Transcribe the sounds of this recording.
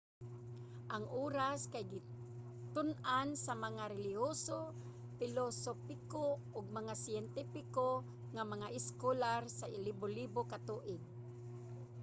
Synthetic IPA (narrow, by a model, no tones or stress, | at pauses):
ʔaŋʔuːɾaskajɡɪ | t̪ʊnansamaŋaɾɛlɪɦoso | fɪlosopɪko | ʊɡ̚maŋasɪjɛnt̪ipɪko | ŋamaŋaʔɪskolaɾsaʔɪlibolibokat̪uʔɪd̪̚